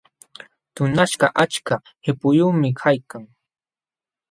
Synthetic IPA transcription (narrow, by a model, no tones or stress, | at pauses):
t̪ʊnaʃɢɑʔat͡ʃka | hɪpʊjuːmɪkʰajkaŋ